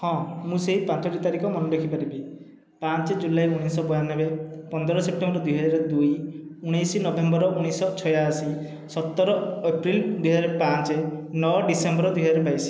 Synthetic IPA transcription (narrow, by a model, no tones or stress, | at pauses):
hɔ̃mũseɦipãt͡ʃɔʈit̪aɾikɔmɔnɔɖekʰipaɾibi | pãnt͡ʃed͡ʒulajuɽ̃isɔbɔjanːɔbepɔnd̪ɔɾɔsep̚ʈembɔɾɔd̪ujɦɔd͡ʒaɾɔd̪ujuɽ̃ijsinɔbembɔɾɔuɽ̃isɔt͡ʃʰɔjaːsi | sɔt̪ːɔɾɔepɾild̪ujɦɔd͡ʒaɾepãnt͡ʃenɔɖisembɔɾɔd̪ujɦɔd͡ʒaɾepajsi̥